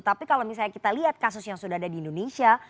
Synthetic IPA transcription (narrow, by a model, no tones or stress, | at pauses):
t̪apikalomis̬aɲakit̪aliɦat̪̚kasʊsjaŋsudaɦadadiːndonesia